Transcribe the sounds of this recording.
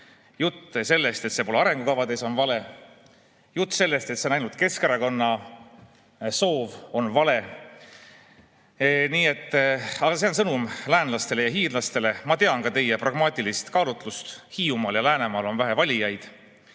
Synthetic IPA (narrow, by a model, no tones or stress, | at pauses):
jut̪ːse̞lːe̞st̪e̞t̪se̞po̞leɑɾe̞ŋɡukɑvɑd̪e̞so̞nvɑle̞ | jut̪ːˑse̞lːe̞st̪e̞t̪seonɑjnult̪̚ke̞skeɾɑko̞nːɑ | so̞ːvo̞nvɑle̞ | niːe̞t̪ˑːɑɡɑse̞o̞nsɤnumlæːnlɑst̪e̞le̞jɑɦiːrlɑst̪e̞le̞mɑt̪e̞ɑnkɑt̪e̞jeprɑɡ̥mɑːt̪ʲilist̪kɑːlut̪ˑlust̪hiːumɑːljɑlæːne̞mɑːlo̞nvæɦevɑlʲijɑjd̪̥